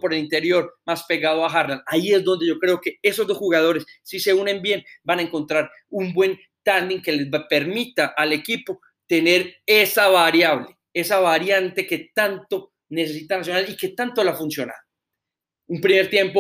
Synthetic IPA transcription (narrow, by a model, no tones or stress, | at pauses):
po̞ɾe̞lint̪e̞ɾjo̞ɾmaspe̞ɣaðoaxaɾnaaie̞zd̪o̞nd̪e̞ʝokɾeoke̞e̞so̞zd̪o̞sxuɣað̞o̞ɾe̞sːise̞une̞mbje̞nbanaeŋko̞nt̪ɾaɾ | umbwe̞n | t̪and̪iŋke̞leape̞ɾmit̪aʔːle̞kipo̞ | t̪e̞ne̞ɾe̞saβaɾjaβle | e̞saβaɾjant̪e̞ke̞t̪ant̪o̞ | ne̞s̬e̞s̬it̪anas̬jo̞nalike̞t̪ant̪o̞lafunsjo̞na̰ | umpɾime̞ɾt̪je̞mpo